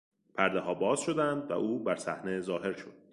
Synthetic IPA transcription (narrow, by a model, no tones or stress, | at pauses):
pʰæɾd̪ehɒːbɒːzʃo̞d̪ænd̪væ̰ʔuːbæɾsæhne̞zɒːɦe̞ɾʃo̰d̪̥̚